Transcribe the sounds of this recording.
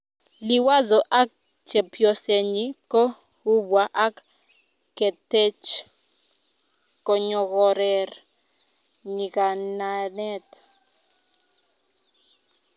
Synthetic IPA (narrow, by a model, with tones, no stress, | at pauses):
li˨wa˦zɔ˨ʔa˦k̚ | t͡ʃɛ˨pʰjɔ˨se˨ɲi˦kɔ˦ | hu˦bwa˨ʔa˦k | kɛ˨tɛ˦t͡ʃ | kɔ˨ɲɔ˨kɔ˦ɾɛ˨r | ɲi˨ka˨na˨nɛ˦t